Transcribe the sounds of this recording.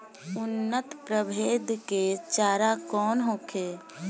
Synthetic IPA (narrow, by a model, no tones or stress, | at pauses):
ʊnːət̪pɾəbʱeːd̪ket͡ʃaːɾakɔːnɦoːkʰeː